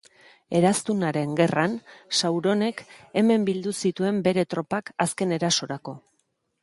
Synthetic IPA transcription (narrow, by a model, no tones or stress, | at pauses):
e̞ɾast̪unaɾe̞ŋɡe̞ransawɾo̞ne̞ke̞me̞mbild̪usit̪ue̞mbe̞ɾe̞t̪ɾo̞pakaske̞ne̞ɾaso̞ɾako̞